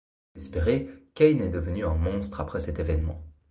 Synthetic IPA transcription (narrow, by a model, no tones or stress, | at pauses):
ɛspeʁekɛjnɛd̪əvənyɛ̃mɔ̃st̪χapχɛsɛt̪evɛnmɑ̰̃